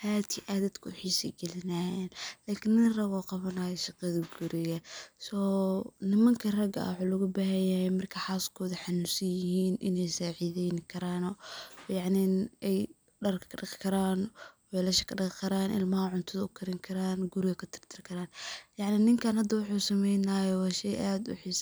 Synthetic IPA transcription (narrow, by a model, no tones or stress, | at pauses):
haːt̪ʰiʔaðɐd̪kʰʊʊħiːsɛ̰jɡɛlɪnaːjɛːnlaːkʰɪnːɪnrɐɣɔːqɑβɐnaːjɛʃɑqɐðɐɡʊɾɪɣɐsɔːnɪmɐŋkʰɐrɐɡɐ̰wħulʊɣʊbaːɦɐjɐhɛjmɐrkʰɐħaːskʰɔːðɐħɑnusɐjɪɦiːnʔɪ̰nɛjsaːʕiðɛnkʰɐɾaːnɔjɑʕnɪɛj | ɖɐrkkʰɖɪqkʰɐɾaːnwɛːlɐʃɐkʰɐɖɪqkʰɐɾaːnʔɪ̰lmɐhɐʕʊnt̪ʰʊðɐʊkʰɐɾɪŋkʰɐɾaːnɡʊɾɪɣɐkʰɐt̪ʰɪ̥r̥t̪ʰɪrkʰɐɾaːnjɑʕnɪnɪŋkʰaːnhɐd̪ːɐwʊħuːsɐmɛjnaːjɔwɑːʃɛjʔaːd̪ʊ̰ħiːs